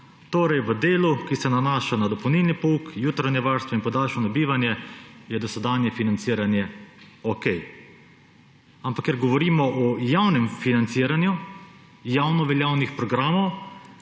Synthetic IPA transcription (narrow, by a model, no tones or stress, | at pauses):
t̪oːɾɛjʋəd̪eːlukisɛnanaːʃanad̪ɔpɐwniːlnipɔuːkjuːt̪ɾanjɛʋaɾst̪ʋɔinpɔd̪aːlʃɔnɔbiːʋanjɛjɛd̪ɔsɛd̪aːnjɛfinant̪siːɾanjɛ | ɔkɛj | ampakːɛɾɡɔʋɔɾiːmɔʔɔjawnɛmfinant̪siːɾanju | jawnɔʋɛljaːwnixpɾɔɡɾaːmɔw